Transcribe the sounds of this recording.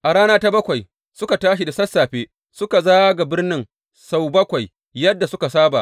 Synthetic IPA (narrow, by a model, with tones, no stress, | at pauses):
ʔa˨ɽaː˦naː˦ta˦bɐ˦kʷa˨j | sʊ˦ka˨taː˦ʃ̬i˨da˨sɐ˦sːaː˨ɸeː˦ | sʊ˦ka˨zaː˦ɡa˨bɪ˦rnɪ˦ŋ | sa˦wbɐ˦kʷa˨j | jɐ˦dːa˨sʊ˦ka˨saː˦ba̰˨ʔ